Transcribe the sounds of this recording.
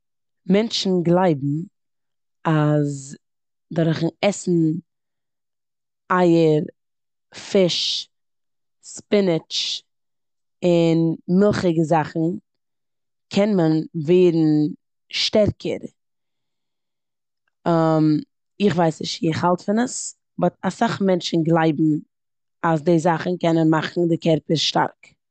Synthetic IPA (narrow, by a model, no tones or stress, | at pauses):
mɛnt͡ʃn̩ɡlˠaɪbm̩ | az | dɔɾχn̩ɛsn̩ | aɪəɾ | fɪʃ | spɪnɪt͡ʃ | ɪnmɪlˠχɪɡəzaχn̩ | kʰɛnmənveɪɾn̩ | ʃtɛɾkʰə̰ɾ | am | ɪχvaɪsnɪ̰ʃtiɪχhalˠtfɪnəs | bɔtasaχmɛnt͡ʃn̩ɡlˠaɪbm̩ | asdeɪzaχn̩kɛnənmaχn̩dɪkɛɾpɪɾʃta̰ɾk